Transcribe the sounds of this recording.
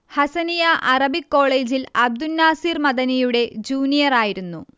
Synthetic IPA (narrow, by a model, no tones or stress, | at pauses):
hɐsɐnijaʔɐrɐbikːo̞ːɭe̞ːd͡ʑilɐb̚d̪unːaːsiːrmɐðɐnijuɽe̞d͡ʑuːnijɐraːjiɾunːu